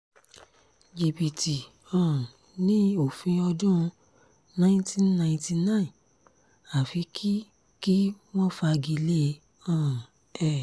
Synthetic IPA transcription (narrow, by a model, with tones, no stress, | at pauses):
d͡ʒi˨bi˨ti˨ | ɔ̃˨ | nĩ˦o˨fĩ˧ɔ˧dũ˦ũ˧ | nã˦ĩ˦tĩ˦nã˨ĩ˨ti˧nã˦˨ĩ˨ | a˨fi˧˦kʰi˦ | ki˦ | w̃ɔ̃˦fa˧ɡi˧le˦˧ | ɔ̃˦˨ | ɛ˦˨